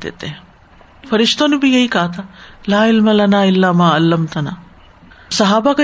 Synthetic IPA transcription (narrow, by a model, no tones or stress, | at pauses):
t̪ḛt̪ːe | pʰɐɾiʂt̪onubijɐjikaːt̪ʰɐlaːilmɐlɐnaːilːaːmaːɐlːɐmt̪ɐna̰ː | sɐɦaːbakɐ